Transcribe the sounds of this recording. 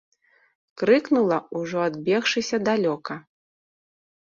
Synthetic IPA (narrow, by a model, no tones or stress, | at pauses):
kɾɨknulˠɐuʐɔad̪bʲɛxʂɨsʲɐd̪alʲɔkɐ